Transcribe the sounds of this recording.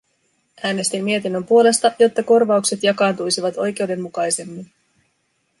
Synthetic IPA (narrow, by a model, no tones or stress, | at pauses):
æːne̞st̪imːie̞t̪inːø̞mpuo̞le̞st̪ɑjo̞t̪ːɑko̞rʋɑukse̞t̪jɑkɑːnt̪ujsiʋɑt̪o̞jk̟e̞wde̞mːukɑjse̞mːin